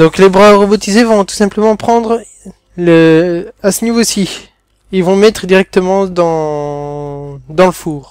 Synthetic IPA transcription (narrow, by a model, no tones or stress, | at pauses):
d̪ɔ̃klebʁaʁɔbɔt̪izevɔ̃t̪u̥sɛ̃pləmɑ̃pχɑ̃d̪ʁ | ləasənivosi | ilvɔ̃mɛt̪χəd̪iʁɛk̚t̪əmɑ̃d̪ɑ̃ | d̪ɑ̃ləfuːʁ